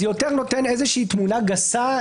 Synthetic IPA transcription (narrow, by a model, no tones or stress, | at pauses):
ejot̪eʁno̞t̪enezeʃiit̪munaɡasa